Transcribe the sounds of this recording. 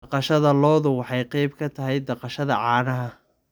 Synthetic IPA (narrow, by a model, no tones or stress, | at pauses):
ɐqɑʃɐðɐlɔːðʊwɑħɑjqɑjb̚kʰɐt̪ʰɐɦɛjd̪ɐqɑʃɐðɐʕɑːnɐɦɐ